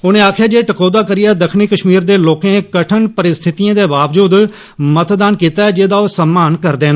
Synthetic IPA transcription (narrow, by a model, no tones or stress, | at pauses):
ʊnẽːaːkʰjaːd͡ʒeːʈəkoːd̪aːkəɾɪjaːd̪əkʰniːkəʃmiːɾd̪eːloːkẽːkəʈʰəɳpəɾɪst̪ʰɪt̪iãːd̪eːbaːʋd͡ʒuːd̪ | mət̪d̪aːnkiːt̪aːɛːd͡ʒeːd̪aːoːsəmːaːnkəɾd̪ẽːnd̪